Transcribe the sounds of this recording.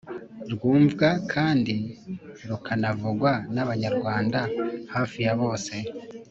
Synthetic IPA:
ɾɡuːɱvɡakʰaːndiɾukʰanavuɡwanaβaɲaɾɡwaːndahaːfijaβo̞ːse̞

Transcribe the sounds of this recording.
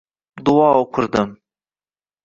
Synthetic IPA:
d̪uɑokʰʊɾd̪ɨm

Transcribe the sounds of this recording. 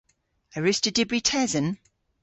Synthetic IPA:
əɹʉstədɪbɹitʰɛzə̃n

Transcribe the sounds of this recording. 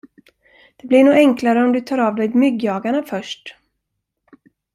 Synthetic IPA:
d̪̥ɛblɪɳuːɛŋklaɾəɔmd̪ɵt̪ʰɑːɾavd̪ɛjmʏɡjɑːɡaɳafœʂʈ

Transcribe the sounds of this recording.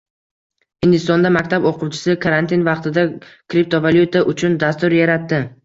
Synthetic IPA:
ɪnd̪ɪst̪ɒnd̪amakʲt̪ʰaboqʰʊwt͡ʃʰɪ̥sɪkʰaɾant̪invɑqt̪ɪd̪akɾip̚t̪ʰovaljut̪ʰaʔʊt͡ʃʰʊnd̪ast̪ʊɾjaɾat̪ːɪ

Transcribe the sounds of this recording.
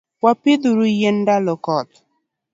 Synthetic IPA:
wapɪd̪uɾujendalɔkɔt̪

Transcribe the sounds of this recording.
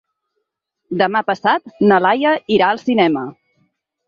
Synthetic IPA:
d̪əmapəsat̪nəlajəiɾaəlˠsinɛmə

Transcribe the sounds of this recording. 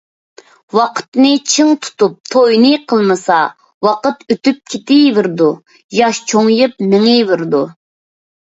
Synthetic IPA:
wɑqʰə̥t̪nɨt͡ʃʰɨŋt̪ʰu̥t̪up̚t̪ʰojnɨqʰəlˠmɨsɑ | wɑqət̪øt̪yp̚kʲʰet̪ɪvɨɾd̪u | jɑʃt͡ʃʰoŋjɨpmɪŋɪvɨɾd̪u

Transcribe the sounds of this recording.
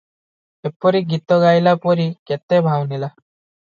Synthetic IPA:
epɔɾiɡit̪ɔɡajlapɔɾiket̪ebʱawnila

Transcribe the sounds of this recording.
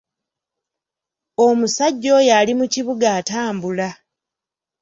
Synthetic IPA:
o̞musaɟːo̞jalimuciβuɡaːtaːmbula

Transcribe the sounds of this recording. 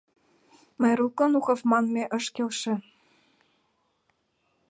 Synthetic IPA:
mɑjɾukɤ̆nuxɤ̆fmɑnmeʔə̆ʃkelʃĕ

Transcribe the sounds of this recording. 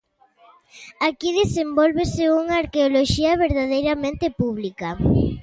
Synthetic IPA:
akiðesembolβeseuŋaːɾkeoloʃiɐβeɾðaðejɾamẽnt̪epuβ̞lika

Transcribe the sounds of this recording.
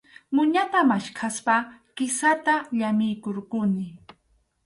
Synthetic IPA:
mʊɲat̪amaʃkʰaspakɪsat̪aʎamɪjkoɾkʊnɪ

